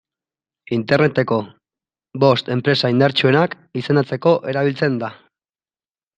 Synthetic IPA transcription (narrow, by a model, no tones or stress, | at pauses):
int̪e̞rne̞t̪e̞ko̞ | βo̞st̪e̞mpɾe̞saind̪aɾt͡ʃue̞nak | ise̞nat͡se̞ko̞ʔe̞ɾaβ̞ilt͡se̞nd̪a